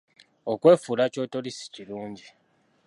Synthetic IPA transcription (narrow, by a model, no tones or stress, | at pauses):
okwe̞ːfuːlaco̞ːto̞lisi̥ciluːɲɟi